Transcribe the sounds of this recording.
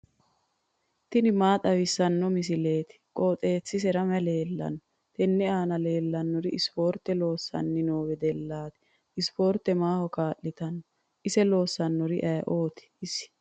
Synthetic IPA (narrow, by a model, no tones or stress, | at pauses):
t̪ɪnɪmaːt̪ʼɐwɪsːɐnːɔmɪs̬ɪle̞ːt̪ɪ̥kʼoːt̪ʼe̞ːt͡sːɪs̬ɛɾɐmɛle̞ːlːɐ̰nːɔ | t̪ɛnːɛaːnɐle̞ːlːɐnːɔɾɪɪspo̞ːɾt̪ːɛlo̞ːsːɐ̰nːɪnoːwɛd̪ɛlːaːt̪ɪ̥ | ɪspoːɾt̪ːɛmaːhɔkaːʔːɪt̪ɐnːɔ | ʔɪsɛlo̞ːsːɐnːɔɾɪʔɐjɐʔo̞ːt̪ɪ̥ɪsɪ̥